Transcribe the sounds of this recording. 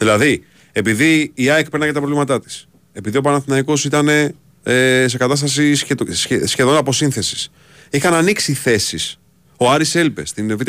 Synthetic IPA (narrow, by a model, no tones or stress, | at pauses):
ðilɐði | e̞piðiːɐek̚peɾnɐcɐt̪ɐpɾovlimɐt̪ɐt̪i̥s | e̞piðio̞pɐnɐθinɐiko̞sit̪ɐne̞ | es̬e̞kɐt̪ɐst̪ɐsisesçe̞ðo̞nɐpo̞sinθe̞si̥s | ixɐnɐniksiθe̞sis | o̞ɐɾise̞lpest̪invit̪